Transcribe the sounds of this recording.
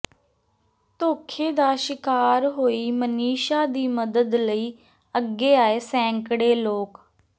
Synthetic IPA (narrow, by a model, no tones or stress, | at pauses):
t̪oːkʰeːd̪aːʃɪkaːɾɦoːiːməniːʃaːd̪iːməd̪əd̪ləiː | əɡːeːaːeːsɛ̃ːŋkɽeːloːk